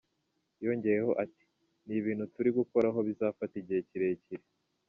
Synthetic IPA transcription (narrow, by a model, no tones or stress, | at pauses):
jo̞ːɲɟe̞jeɦo̞̰ʔati̥ | niβiːn̤̥hutuɾiɡuko̞ɾaɦo̞βizaːfatiɟieciɾe̞ciɾe